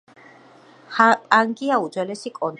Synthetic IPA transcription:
pʼaŋɡiaud̪zwɛlɛsikʼɔn

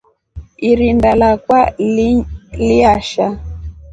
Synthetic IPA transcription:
iɾindalakwa | liaʃa

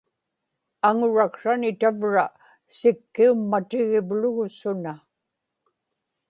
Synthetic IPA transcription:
aŋʊɻakʂanɪt̪avɻa | sɪkːiumːat̪ɪɣɪvlʊɣʊsʊna

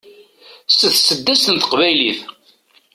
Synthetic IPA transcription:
səθsəd̪ːæst̪ənt̪ə̥qvæjliθ

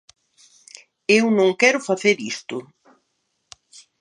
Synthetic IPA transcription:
ewnõŋkɛɾʊfaθeɾist̪ʊ

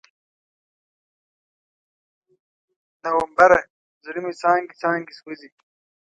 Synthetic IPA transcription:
nɐwɐmbɐɾe | zuɾimisaːŋɡisaːŋɡisɡuzi

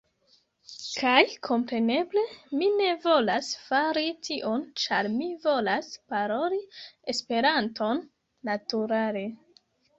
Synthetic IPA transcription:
kajkʰo̞mpɾe̞ne̞ble̞mine̞vo̞lasfaɾitʰiʔo̞nt͡ʃaɾmivo̞laspaɾo̞lie̞spe̞ɾanto̞nː | atuɾale̞

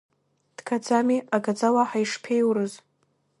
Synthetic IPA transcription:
d̥kʰad͡zamiaɡad͡zalaħaiʂpʰejwrɨz

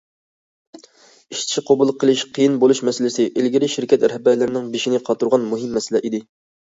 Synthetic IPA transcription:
iʃt̪ʰʃiqʰɑbulˠqʰːəlˠɪʃqʰəjinbolˠuʃmɛsɪlɪsɪʔilɡʲiɾɪʃiɾkʲʰɛt̪ɾɛhbæɾlɪɾɪnɪŋbiʃinɪqʰɑt̪uɾʁɑnmuɦɪmːɛsɪlɛʔid̪ɪ

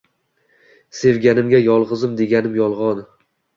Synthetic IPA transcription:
se̞vɡʲanɪmɡʲajɒlˠʁɨzɪmd̪e̞ɡʲanɪmjɒlˠʁɒn

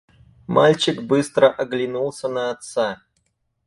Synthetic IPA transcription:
malʲt͡ɕɪkbɨst̪ɾəʔɐɡlʲɪnulˠsʲənəːt̪sa

